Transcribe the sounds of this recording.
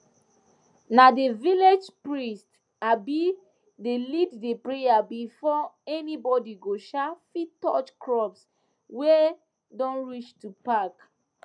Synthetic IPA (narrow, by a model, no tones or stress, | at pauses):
nadeviled͡ʒpɹist | abi | deliddepɹejabifɔɛnibɔdiɡoʃafitɔt͡ʃkɹɔps | we | dɔ̃nɹit͡ʃtupak